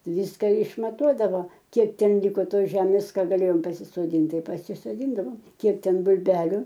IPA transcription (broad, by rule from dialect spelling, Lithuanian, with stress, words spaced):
ˈʋʲiːskɐ ɪʃmɐˈtuɔdɐʋoː ˈkʲiɛk ˈtʲɛn ˈlʲɪkoː ˈtoːs ˈʒʲæːmʲeːs ˈkɑː ɡɐˈlʲeːjoːm pɐsʲɪsoːˈdʲiːnt ˈtɐɪ pɐsʲɪsoːˈdʲiːndɐʋoːm ˈkʲiɛk ˈtʲɛn bʊlʲˈbʲæːlʲʊ